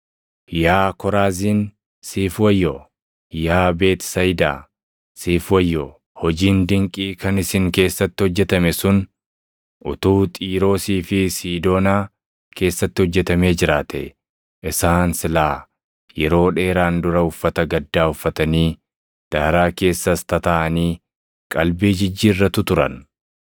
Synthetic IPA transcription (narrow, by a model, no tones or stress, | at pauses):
jaːkɔɾaːziːn | siːfwɐjːɔ | jaːbe̞ːt̪ɪ̥sɐjd̪a̰ː | siːfwɐjːɔ | hɔd͡ʒiːnd̪ɪŋkʼiːkɐnɪsɪŋke̞ːsːɐt̪ːɪhɔd͡ʒːɛt̪ɐmɛsʊn | ʔʊt̪uːt̪ʼiːɾo̞ːsiːfɪsiːd̪o̞ːnaː | ke̞ːsːɐt̪ːɪhɔd͡ʒːɛt̪ɐme̞ːd͡ʒɪɾaːt̪ɛ̰ | ʔɪsaːnsɪlaː | jɛɾo̞ːᶑe̞ːɾaːnd̪ʊɾɐʊfːɐt̪ɐɡɐd̪ːaːʊfːɐt̪ɐniː | d̪̥aːɾaːke̞ːsːɐst̪ɐt̪ɐʔɐniː | kʼɐlbiːd͡ʒɪd͡ʒːiːrːɐt̪ːʊt̪ʊɾɐ̰n